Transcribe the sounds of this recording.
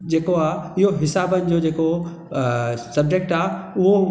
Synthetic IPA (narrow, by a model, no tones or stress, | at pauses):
d͡ʑeːkoaːɪɦoɦɪsaːbənɪ̆d͡ʑoːd͡ʑeːko | sɐb̚d͡ʑek̚ʈaːʊɦo